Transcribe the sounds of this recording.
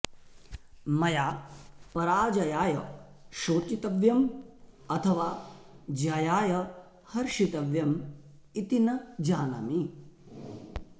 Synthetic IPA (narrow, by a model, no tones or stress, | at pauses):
mɐjaːpɐɾaːd͡ʒɐjaːjɐ̰ʃoːt͡ʃit̪ɐʋjɐmɐt̪ʰɐʋaːd͡ʒaːjaːjɐ | hɐɾʂit̪ɐʋjɐm | it̪inɐd͡ʒaːnɐ̰mi